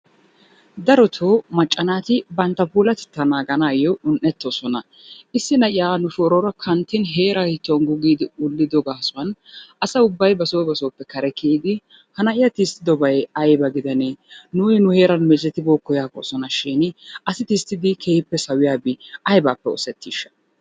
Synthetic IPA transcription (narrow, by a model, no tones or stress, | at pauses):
d̪ɐɾɔt̪ʰoːmɐt͡ʃʼːɐnaːt̪ɪbɐnt̪ːɐpuːlɐt̪ɛ̥t̪ːɐnaːɡɐnaːjɔʔʊnʔːɛt̪ːoːsɔnɐ | ɪsːɪnɐʔɪjaːnʊfoːɾɔɾɐkʰɐnt̪ːɪnɦe̞ːɾɐhɪt̪ːonɡʊɡiːd̪ɪʊlːɪd̪ɔɡaːsʊɐnʔɐsɐʊbːɐjbɐsoːbɐsoːpːɛkɐɾɛkiːd̪ɪ | hɐnɐʔɪjɐt̪ist̪ːɪd̪ɔbɐjɐjbɐɡɪd̪ɐnenʊjɪnʊhe̞ːɾɐnmɛd͡ʒɛt̪ːɪboːkːɔjaːko̰sɔnɐʃiːnɐsɪt̪ist̪ːɪd̪ɪkʰeːhɪpːɛsɐwɪjaːbɪɐjbaːpːɛɔ̰sɛt̪ːiːʃːɐ̥